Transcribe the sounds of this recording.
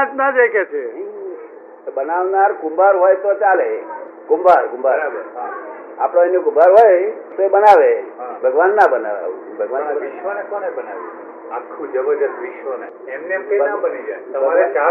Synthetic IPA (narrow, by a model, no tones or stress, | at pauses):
t̪nad͡ʒeket͡ʃʰe | bənaʋnaɾɡumbaɾɦojt̪ot͡ʃale | ɡũmbʱaɾɡũmbʱaɾea | a̰pɽ̃oenːeɡũmbaɾɦojt̪oebənaʋeɦbʱəɡʋanːabəna̰ʋḛ | bʱəɡʋanːaiʃʋənekonebənaʋu | akʰːũd͡ʒəbəd͡ʒət̪ʋɪʃʋəne | emneemkəinabənid͡ʒaet̪əbəaɾet͡ʃa